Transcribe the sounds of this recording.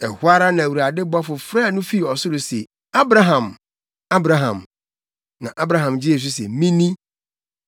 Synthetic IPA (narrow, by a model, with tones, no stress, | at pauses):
ɛ˨hʊ˦a˦ɾa˦nã˨wu˨ɾa˨dɪ˦bɔ˦fʊ˨fɾa˦˨nʊ̃˦fi˦˨ɔ˨sʊ˦ɾʊ˨sɛ̰˨ | a˦bɾa˨ɦã˨m | a˦bɾa˨ɦã̰˨m | nã̰˨ʔa˦bɾa˨ɦã˨md͡ʑɪ˦e˨s̬ɪ˦sɛ̰˨mĩ˦nĩ˦